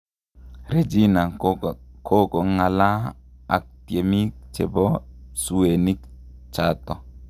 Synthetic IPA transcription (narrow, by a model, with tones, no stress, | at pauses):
ɾe˨d͡ʒi˦na˨ | kʰo˦kɔ˨ŋa˨la˦ | a̰˨k̚tie˨mi˦k̚t͡ʃe˨bɔ˦su˨e˨ni˦k̚ | t͡ʃa˦t̪ɔ˨